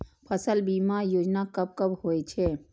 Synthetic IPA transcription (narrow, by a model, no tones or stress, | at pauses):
pʰəsəlbimajoːd͡ʒnakəb̚kəbhoɛt͡ʃʰɛ